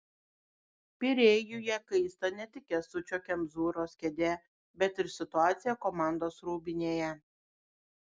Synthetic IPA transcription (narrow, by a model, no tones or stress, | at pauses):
pʲɪɾʲeːjʊjɛkɐɪst̪ɐnʲɛt̪ʲɪkʲɛsʊt͡ʃʲoːkʲɛmzuːɾoːskʲɛd̪ʲɛ | bʲɛt̪ɪɾsʲɪt̪ʊɑːt̪sʲɪjɛkɔmɑˑnd̪oːsɾuːbʲɪnʲeːjɛ